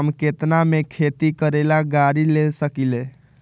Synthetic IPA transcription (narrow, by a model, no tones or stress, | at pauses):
mket̪namekʰet̪ikəɾelaɡaɾilesəkile